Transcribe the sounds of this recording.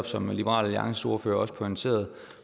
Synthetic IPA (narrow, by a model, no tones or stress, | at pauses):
b̥sɒ̽mlib̥əʁɑ̰̈ːlæliɑ̈ŋsəso̝ɐføːɐɒ̽sə̥pʰɒnt͡ssʰe̝̰ːɐðˠ